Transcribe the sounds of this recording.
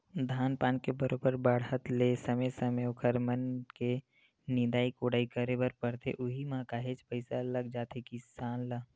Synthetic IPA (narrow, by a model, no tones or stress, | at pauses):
d̪ʱaːnpaːnkebəɾoːbəɾbəɽɦət̪lesɐmesəmeokʰəɾmənke | nɪ̃d̪aːikoːɽaːikəɾebəɾpəɾt̪ʰḛʔʊɦimãkaːɦet͡ʃpəɪsaləɡd͡ʒaːt̪ekisaːnlaː